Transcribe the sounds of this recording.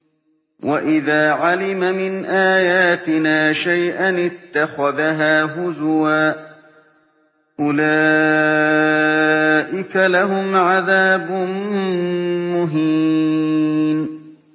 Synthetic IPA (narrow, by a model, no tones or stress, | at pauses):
wʔaʔɪðaːʕalɪmamɪnʔaːjaːt̪ɪnaːʃajʔanɪt̪ːaxaðaɦaːɦʊzwaː | ʔʊlaː | ʔɪkalaɦʊmʕaðaːbʊn | mʊɦɪ | n